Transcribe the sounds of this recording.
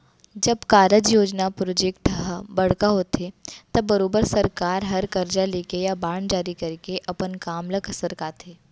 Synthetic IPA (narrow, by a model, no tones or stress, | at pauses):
d͡ʒəbkaːɾəd͡ʒjoːd͡ʒnapɾod͡ʒekʈbəɽ̤kaɦoːt̪ʰet̪əbəɾoːbəɾsəɾkaːɾɦɐɾkəɾd͡ʒaleːkejabaːɳd͡ʒaːɾikəɾikeʔɐpənkaːmləksəɾkaːt̪ʰe